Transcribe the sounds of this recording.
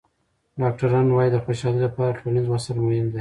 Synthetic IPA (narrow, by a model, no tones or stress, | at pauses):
ɖɑk̚ʈaɾɑnwɑjid̪əxeʃɑlilapɑɾaʈolanizwasalmʊhɪmd̪a